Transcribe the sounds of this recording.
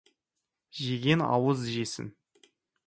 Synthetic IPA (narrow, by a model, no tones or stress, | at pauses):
ʒeɡʲe̞nɑ̰wəzʒesɪ̰n